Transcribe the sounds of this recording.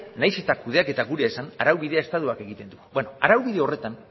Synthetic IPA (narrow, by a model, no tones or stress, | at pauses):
najse̞t̪akuð̞e̞ake̞t̪aɣuɾeaesanaɾawβið̞eae̞st̪aðuake̞ɣit̪e̞nd̪ubenoaɾawβiðe̞o̞re̞t̪an